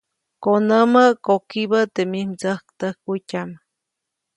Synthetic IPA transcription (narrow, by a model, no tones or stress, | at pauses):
konəməʔkokibət̪emimt͡səhkt̪əhkːutʲam